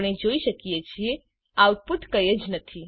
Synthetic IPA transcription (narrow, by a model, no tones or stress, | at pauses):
ɽ̃ed͡ʒoiʃəkiet͡ʃʰie | at̪̚put̪ʰkəjəd͡ʒnət̪ʰi